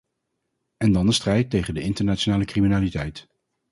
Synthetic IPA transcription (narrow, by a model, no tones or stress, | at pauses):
ɛndɑndəstrɛjtːejχəndəɪntəɹnaːt͡ʃonaːləkriminaːlitɛjt